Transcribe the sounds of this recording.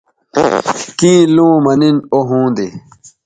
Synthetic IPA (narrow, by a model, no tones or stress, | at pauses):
kĩːlõːmɐninoɦũːnd̪i